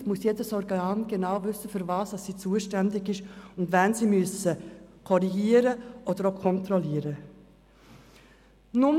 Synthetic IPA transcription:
muəsjedəsɔɾɡəɑnɡ̥enaʊvʏsːəfʏɾvɑːsd̥ɑsːiːt͡suəʃtɛndɪɡɪʃʊndvɛnsiːmyəsəkʰɔɾiɡiːəɾəʔɔd̥əɾokʰɔnt̪ɾɔliəɾə | nʊm

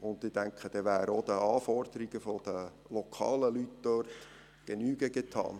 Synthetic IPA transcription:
ʊnd̪ɪd̥æŋkχəd̥ɛʋæːɾəod̥̪əɑːfɔrd̥̪əɾiɡ̥əfɔd̥ə | lɔkʰɑ̰ːləlytdœrt̪ | ɡ̥enyːɡəɡet̪ʰɑ̰ːn

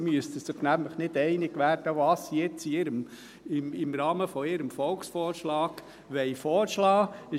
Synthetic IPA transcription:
myəst̪əsəpnæmləχnɪdɛɪnɪɡʋæːɾd̥əʋɑːsijɛt͡siɪɾəm | ɪmɪmɾɑːməfɔɪɾəmfɔlksfɔːɾʃlɑːɡ̥ | ʋɛɪfɔːɾʃlɑːɪ

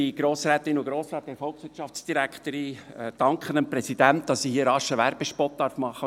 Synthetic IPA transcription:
iɡ̥ɾoːsɾɛːt̪ɪnʊɡɾoːsɾɑːt̚d̥ɛɾfɔlˠksʋɪɾt͡ʃɑfsd̥iɾækχt̪əɾiəd̥ɑŋkχənəmpɾɛsid̥̪æntd̥̪ɑssihiːəɾɑʃəʋæɾb̥eʃpɔt̚d̥̪ɑɾfmɑχːə

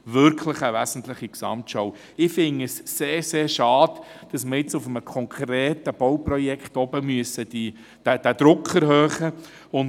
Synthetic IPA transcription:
vʏɾkʰləχəʋæsən̩t̪ləχiksɑ̰mtʃɔw | ɪfɪnəsːeːɾseːɾʃɑːd̥d̥ɑsməɾɪt͡sʊfəməkʰɔŋkʰɾeːtəb̥ɔwprɔjɛkχtɔbəmyəsəd̥i | d̥æd̥æd̥̪ɾʊkʰəɾhøːχə | ʊn

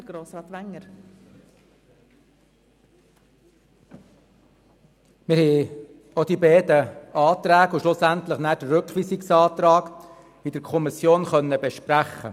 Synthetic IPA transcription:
ɡ̥ɾoːsɾɑːt̪ʋæŋːəɾ | mɪɾhɛɪ | od̥ibɛdəɑːt̪ɾæːɡuʃlʊsænt̪ləχnæːd̥əɾʉkʋiːsiksɑːt̪ɾɑːk | idəɾkʰɔmisjoːnχœnːəbɛʃpɾæχːə̰

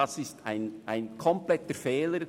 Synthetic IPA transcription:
ɑsɪstʰa̰ɪnʔaɪnkʰɔmplɛtəɾfɛːləɾ

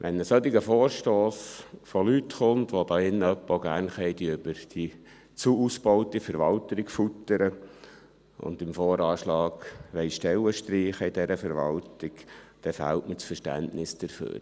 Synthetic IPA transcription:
ʋʔɛnːəsœt̪iɡəfoːɾʃtoːsfolyt̪χʊntʋod̪ɑːɪnːəœpːəoɡæːɾnχɛɪdiʏb̥əɾd̥i | t͡suusb̥ɔʊtifəɾʋɑlt̪əɾɪkfutəɾə | ʊ̰nd̪ɪmfoːɾɑːʃlɑːɡʋɛɪʃtɛləʃtɾiːχəɪd̥ɛɾəfəɾʋɑ̰ltɪkd̥ɛfæ̰ltmət͡sfəɾʃtæ̰ntnɪsd̥əɾfø̰ːɾ

